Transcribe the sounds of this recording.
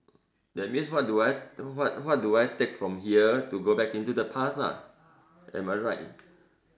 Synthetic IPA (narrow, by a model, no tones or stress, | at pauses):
dɛt̚mĩnswɔt̚duajwɔt̚wɔt̚duajtekfɹɔ̃mɦiətuɡobɛkĩntudəpʰasna̰ | ʔɛ̰̃maɪɹaɪt